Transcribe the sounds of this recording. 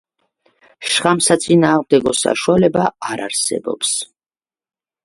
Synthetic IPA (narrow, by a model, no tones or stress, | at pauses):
ʃχamsat̪sʼinaːʁmd̪ɛɡɔsa̰ʃualɛbaaɾaɾsɛ̰bɔ̰ps